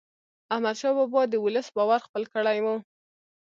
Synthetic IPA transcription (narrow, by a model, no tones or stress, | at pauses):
ahmad̪ʃɑbɔbɑd̪əwʊləsbɑwaɾxpəlkəɽajwu